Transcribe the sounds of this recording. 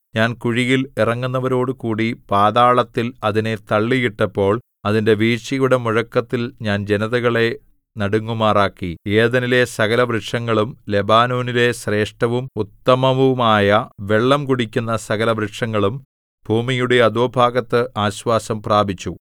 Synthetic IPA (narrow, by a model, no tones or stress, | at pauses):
ɲaːnkuɻijilirɐŋːunːɐʋɐɾo̞ːɽukuːɽipaːðaːɭɐt̪ːilɐðine̞t̪ɐɭːijiʈːɐpːo̞ːɭ | ɐðinde̞ʋiːɕijuɽɐmuɻɐkːɐt̪ːilɲaːnd͡ʑe̞nɐðɐɣɐɭe̞ | nɐɽuŋːumaːraːkːieːðɐnile̞sɐɣɐlɐbrɨʈʂɐŋːɐɭumle̞baːnoːnile̞ɕre̞ːʂʈɐʋumut̪ːɐmɐʋumaːjɐʋe̞ɭːɐmkuɽikʲːunːɐsɐɣɐlɐbrɨʂɐŋːɐɭum | bʱuːmijuɽe̞ɐðoːbʱaːɡɐt̪ːɨʔaːɕʋaːsɐmpraːbʱit͡ɕːu